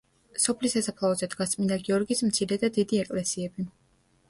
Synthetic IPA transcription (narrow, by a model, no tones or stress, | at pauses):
sɔpʰlisasapʰlˠaɔzɛd̪ɡast̪ʼmind̪aɡiɔɾɡismt̪sʰiɾɛd̪ad̪id̪iɛkʼlɛsiɛbi